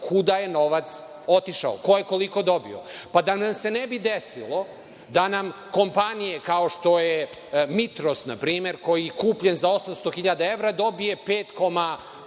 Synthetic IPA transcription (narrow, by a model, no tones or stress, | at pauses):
kʰud̪ajeno̞ʋat̪s | o̞t̪iʃa̰o̰ko̞jeko̞liko̞d̪o̞bḭo̰pad̪anamse̞nebid̪esḭlˠo | d̪anam | ko̞mpanijekaoʃt̪o̞je | mit̪ɾo̞snapɾiːme̞ɾko̞jijkuːpʎenzaosamst̪o̞xiʎad̪aeʋɾad̪o̞bije̞peːt̪ko̞ma